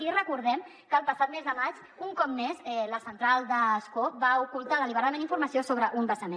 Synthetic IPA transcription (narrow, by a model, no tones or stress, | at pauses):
irəkuɾðɛm | kəːlˠpəsat̪̚mɛzðəmat͡ʃ | uŋkɔpnezɛləsənt̪ɾalˠd̪əskobaukulˠt̪aðəliβəɾaðəmẽndiɱfuɾməsiosoβɾəʔumbəzəmẽ